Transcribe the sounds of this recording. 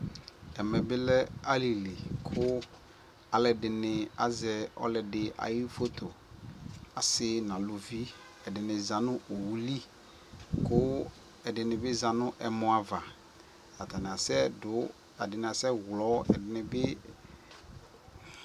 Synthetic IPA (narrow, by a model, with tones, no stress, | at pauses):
ɛ˨mɛ̃˨bɪ˦lɛ˦a˦li˨li˨kʰʊ˦ | a˨lɛ˨dɪ˨nɪ̃˨a̰˦zɛ˨ɔ̰˦lɛ˨dɪ˨ʔa̰˨ji˦fo˦t̪ʰo˨ | a˨sɪ˦nã˨lʊ˨vi˦ | ɛ˨dɪ˨nɪ̃˨za˨nʊ̃˦ʔo˨wu˦li˦ | kʰʊ˦ | ɛ˨dɪ˨nɪ̃˨bɪ˦za˨nʊ̃˦ʔɛ˨mʊ̃˨a˨va˨ | a˨t̪ʰa˨nɪ˨a˨sɛ˦dʊ˨˦ | a˨dɪ˨nɪ˨a˨sɛ˦wlɔ˨˦ɛ̰˨dɪ˨nɪ̃˨bɪ˦